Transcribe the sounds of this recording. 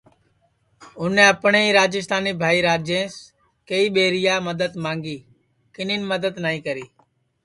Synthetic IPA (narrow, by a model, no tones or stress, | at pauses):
ʊnẽːəpɳeːiːɾaːd͡ʒɪst̪aːniːbʱaːiːɾaːd͡ʒẽːs | keiːɓeːɾɪjaːməd̪əd̪mãːŋɡiː | kɪniːnməd̪əd̪nəːĩːkəɾiː